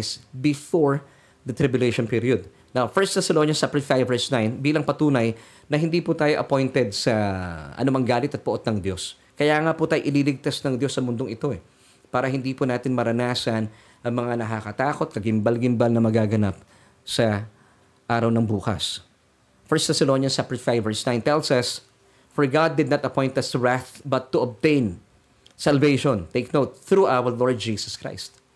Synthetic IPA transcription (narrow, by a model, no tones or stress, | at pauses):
sbɪfoɹ | d̪ɐt̪ɾɪbjʊlejʃonpiɾijod̪̚ | nawfɛɹst̪t̪ɐsɛlonɐnsapɛfajvɛɹsnajnbiːlɐŋpɐt̪uːnɐj | nɐɦɪnd̪iːput̪aːjoʔɐpo̞jnt̪ɛd̪̚sɐʔɐ̰nʊmɐŋɡaːlɪt̪ɐt̪̚poʔo̞t̪̚nɐŋd̪jo̞s | kɐjaːŋaːput̪aːjoʔɪlilɪɡ̚t̪asnɐŋd̪jo̞sːɐmʊnd̪oŋʔɪt̪o̞ɛ | paːɾɐhɪnd̪iːpʊnaːt̪ɪnmɐɾɐnaːsɐn | ʔɐŋmɐŋanɐkakɐt̪aːko̞t̪̚kɐɡɪmbɐlɡɪmbalnɐmɐɡaːɡɐnap̚ | sɐ | ʔaːɾɐwnɐŋbuːkɐ̰s | fɛɹst̪asɛlonjɐnsapɹɛt̪fajvːɛɹsnãj̃nt̪ɛlsɐs | fɔɹɡad̪ːɪd̪nɐt̪ɐpõj̃nt̪ɐst̪ʊɹaθbɐt̪ːuʔob̚t̪ẽjn | sɐlvejʃont̪ejk̚nowt̪̚θɾuːʔawəɹloɹd̪̚d͡ʒiːsɐ̥skɹa̰jst̪̚